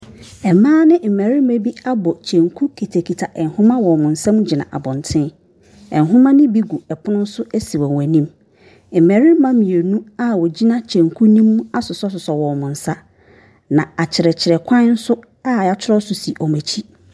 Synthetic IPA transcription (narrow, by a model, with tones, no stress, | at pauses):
ɛ˨mãː˦nɪ̃˦m̩˨mæ˨ɾi˦me˦bi˦a˦bɔ˨t͡ɕʰɛ̃˨ŋkʰu˦kʰi˨tʰæ˨kʰi˨tʰa˨ʔɛ˨nhʊ̃˦mã˦wɔ˨mʊ̃˨n̩˨sã˦m˦d͡ʑɪ˨nã̰˨ʔa̰˨bɔ̃˨ntʰɪ̃˦ | ɛ˨nɦʊ̃˦mã˦nɪ̃˦bi˦ɡu˨ɛ˨pʰʊ˦nʊ̃˦n̩˦sʊ˦ʔæ˦si˨wɔ˨æ˨nĩ˦m | m̩˨mæ˨ɾi˦mã˦mĩ˨e˨nũ˦a˦wɔ˨d͡ʑi˦nã˦t͡ɕʰɛ̃˨ŋkʰu˦nĩ˦m̃˦a˦sʊ˨sɔ˦s̬ʊ˨sɔ˨wɔ˨mʊ̃˨n̩˨sa˦ | nã˨a˨t͡ɕʰɪ˨ɾɛ˨t͡ɕʰɪ˨ɾɛ˨kʷʰã˦n˦n̩˦sʊ˦ | a˦˨a˨t͡ɕʰʊ˦ɾɔ˦sʊ˨si˨ʔɔ˨mæ˨t͡ɕʰi˦